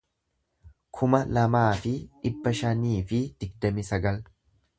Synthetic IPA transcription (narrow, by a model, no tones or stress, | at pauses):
kʰʊmɐlɐmaːfɪᶑɪbːɐʃɐniːfɪd̪̥ɪɡ̚d̪ɐmɪsɐɡɐl